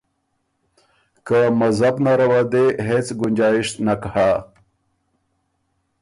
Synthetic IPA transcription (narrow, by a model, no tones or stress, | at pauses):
kamazabnaɾawad̪eɦet͡sɡʊnd͡ʒɑjɪʃt̪nakha